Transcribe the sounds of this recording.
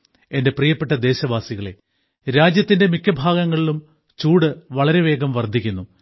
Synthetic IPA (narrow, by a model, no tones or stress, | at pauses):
ende̞prijɐpːeʈːɐd̪e̞ːɕɐʋaːsiɣɐɭe̞̰ | ɾaːd͡ʑjɐt̪ːinde̞mikʲːɐbʱaːɡɐŋːɐɭilum | t͡ɕuːɽɨʋɐɭɐɾe̞ʋe̞ːɡɐmʋɐrd̪ʱikʲːunːu